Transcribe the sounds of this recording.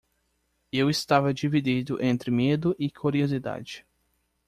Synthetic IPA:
ewɪst̪avɐd͡ʒivid̪id̪ʊʔẽnt̪ɾɪmed̪ʊʔɪkʰuɾiozid̪a̰d͡ʒɪ

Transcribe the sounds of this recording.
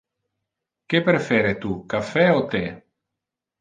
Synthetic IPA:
kepɾefɛɾet̪ukafɛot̪e

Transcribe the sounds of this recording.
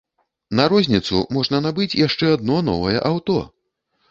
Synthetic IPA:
nɐɾɔzʲnʲit̪sṵmɔʐnɐnabɨt͡sʲjaʂt͡ʂɛad̪nɔnɔ̰vɐjɛ̰ʔawt̪ɔ

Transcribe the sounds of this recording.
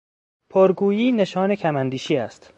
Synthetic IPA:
pʰoɾɡuːjiːneʃɒːnecʰæmænd̪iːʃiːæst̪

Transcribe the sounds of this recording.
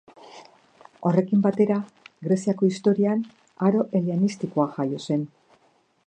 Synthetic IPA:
o̞re̞kimbat̪e̞ɾaɣɾe̞siako̞ist̪o̞ɾian | aɾo̞ʔe̞lianist̪ikoaʝajo̞se̞n

